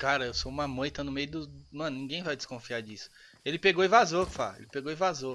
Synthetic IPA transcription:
kaɾɐewsoũmɐmɐ̃j̃t̪ɐ̃nʊmejʊd̪ʊmɐ̃nʊnĩɡẽj̃vajd͡ʒɪ̥skõfiaɾd͡ʒisʊ̥ | elɪpeɡowĩvazoɾfa̰ḛlɪpeɡowĩvazo

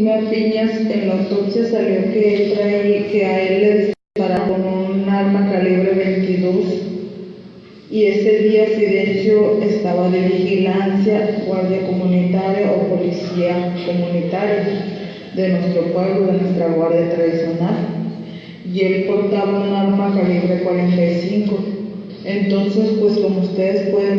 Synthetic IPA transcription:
mapiɲasenlawt̪opsjasaljoket̪ɾakeaelːeðespet̪aɾakonunaɾmakaleβ̞ɾeβe̞jnt̪iðo̞s | ie̞seðiasilensjo̞est̪aβaðeβixilansjaɡwaɾðjako̞mũnit̪aɾjaʔopo̞lisiako̞mũnit̪aɾja | d̪e̞nwe̞st̪ɾopwe̞βloðenwe̞st̪ɾaɣwaɾðjat̪ɾaðisjo̞nal | ie̞lpo̞ɾt̪aβaunaɾmakaliβɾe̞kwaɾent̪ajsiŋko̞ | ent̪o̞nse̞spwe̞sko̞moust̪e̞ðespweðe

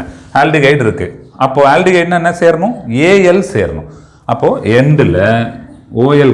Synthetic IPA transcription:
aːlɖiɡɐɪʈɪɾɯkːɯɐpːoːaːlɖiɡɐɪʈnɛnːɐseːɾɐɳʊ̃eːjɛlsḛːɾɐɳʊ̰̃ | ɐpːoːɛnɖɪlɐ | oːjɛl

